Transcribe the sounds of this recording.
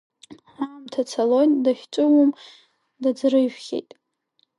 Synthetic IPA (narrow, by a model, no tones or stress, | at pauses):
ħamtʰat͡sʰalonʲdaχʲt͡ʃʷʼʊwʊm | dad͡zrɨʒᶣχʲḛjtʼ